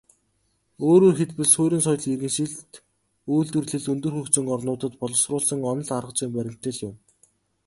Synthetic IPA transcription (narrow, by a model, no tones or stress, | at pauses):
oːɾoːrxet̪pɘ̆ɮsoːɾʲĭːnsɔj̆ɮŋerɣɘ̆nʃiɮt̪ | ujɮt̪ɵ̆rɮɘ̆ɮunt̪ɵ̆rxɵkt͡sɵ̆ŋɔrnʊːt̪ə̆t̪pɔɮɞ̆srʊːɮsə̆ŋɔnɞ̆ɮarə̆qt͡siːmpæɾʲɪ̆m̥t̪ɘ̆ɮjʊm